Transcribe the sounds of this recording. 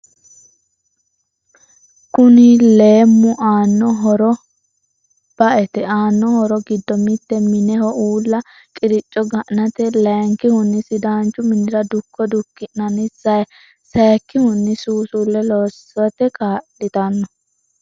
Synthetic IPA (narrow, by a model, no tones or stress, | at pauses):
kʊnɪleːmːʊʔaːnːɔɦɔɾɔ | b̥ɐʔɛt̪ɛaːnːɔhɔɾɔɡɪd̪ːɔmɪt̪ːɛmɪnɛhɔʔuːlːɐ | kʼɪɾɪt͡ʃʼːɔɡɐʔnɐt̪ɛlɛːŋkɪhʊnːɪsɪd̪aːnt͡ʃːʊmɪnɪɾɐd̪ʊkːɔd̪ʊkːɪnnɐnɪsɐj | seːkːɪhʊnːɪsuːsulːɛloːsɔt̪ɛkaːlɪt̪ɐnːɔ